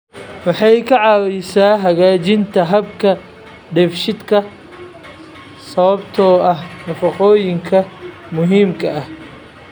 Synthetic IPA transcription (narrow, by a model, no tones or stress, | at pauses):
wɑħɑjkʰɐʕɑwɛjsaːɦɐɣaːt͡ʃɪnt̪ʰɐɦɐbkʰɐ | ɖɛfʃɪd̪kʰɐ | sɐβɐbt̪ʰɔːɐhnɐfɐqɔːjɪŋkʰɐ | mʊɦiːmkʰɐɐh